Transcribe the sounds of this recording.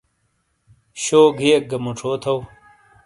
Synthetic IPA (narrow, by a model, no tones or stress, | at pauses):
ɕoːɡʱijek̚ɡɐmuʈ͡ʂʰoːt̪ʰow